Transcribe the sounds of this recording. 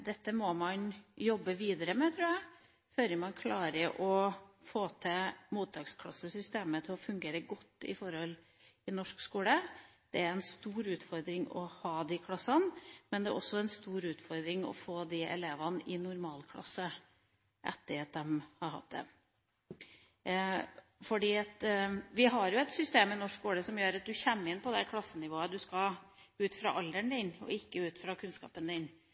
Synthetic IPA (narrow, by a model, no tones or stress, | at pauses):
d̪ɛt̪ːəmɔmɑnjɔbːəʋiːd̪əɾəmɛt̪ʰɾʉːjæɪ | fœlɾəmɑnkʰlɑːɾəʔɔfoːt̪ʰəmuːt̪̚ːɑːkskʰlɑsəsʏst̪eːmət̪ʰɪlɔfʉŋɡeːɾəɡɔt̪ːɪ̰fɔɾhɔl | ɪnɔʂkskuːləd̪̥ɛæɾɛnst̪uːɾʉːt̪fɔɾd̪ɾɪŋɔ̰hɑːd̪ɪkʰlɑsɑnmɛnd̪ɛɾʔɔsɔɛnst̪uːɾʉːt̪fɔɾd̪ɾɪŋɔ̰foːd̪ɪɛ̰leːʋɑnʔɪnʊɾmɑːlkʰlɑ̰sːə | ʔɛ̰t̪ːəɾɑt̪̚d̪ɛmhɑɾhɑ̰t̪̚d̪ɛ̰ | fɔɖiːɑt̪ʋɪɦɑɾjʊɛt̪sʏst̪eːmənɔʂkkuːləsɔmjøːɾɑt̪̚d̪ʉçɛmːɪnpʰɔd̪ɛkʰlɑsːənɪʋoːəd̪ʉskɑʉːt̪fɾɑ̰ʔɑld̪əɳd̪ɪnɔ̰ɪkːəʉːt̪fɾɑkʰʉnskɑ̰ːpənd̪ɪn